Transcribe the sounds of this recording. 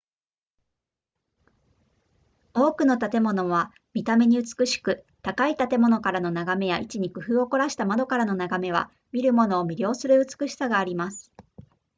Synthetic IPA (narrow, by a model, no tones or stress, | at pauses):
o̞ːkɯ̟no̞t̪at̪e̞mo̞no̞β̞a | mʲit̪ame̞ɲ̟iɯt͡sɨ̥kɯ̟ɕi̥kɯ̟ | t̪akait̪at̪e̞mo̞no̞kaɾano̞naɡame̞jaʔit͡ɕiɲ̟ikɯ̟ɦɯ̟ːo̞ko̞ɾaɕi̥t̪amad̪o̞kaɾano̞naɡame̞β̞a̰ | mʲiɾɯ̟mo̞no̞ːmʲiɾʲjo̞ːsɨɾɯ̟ɯ̟t͡sɨ̥kɯ̟ɕi̥saɡaːɾʲimasɨ̥